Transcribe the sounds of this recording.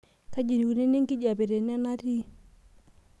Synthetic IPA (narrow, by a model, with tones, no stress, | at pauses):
ka˦d͡ʒi˨ni˨ku˨ne˦ni˦ŋki˦ɟa˨bi˨ɾe˨nɛ˦na˦ɾi˦